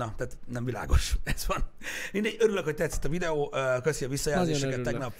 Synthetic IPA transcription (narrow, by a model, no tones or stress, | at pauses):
ɒt̪aːt̪nɛmvila̰ːɡo̞ʃɛz̥vɒnmind̪ɛɟøɾyløkho̞c̚t̪ɛt̪si̥t̪ːɒvid̪ɛoːʔkøsiɒvisːɒjaːzeːʃɛkɛt̪ːɛɡnɒpː